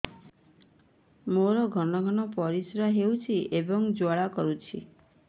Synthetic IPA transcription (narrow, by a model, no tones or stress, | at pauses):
moɾɔɡʱɔɽɔɡʱɔñɔpɔɾisɾaɦewt͡ʃʰiʔebɔŋd͡ʒaɭakɔɾut͡ʃʰḭ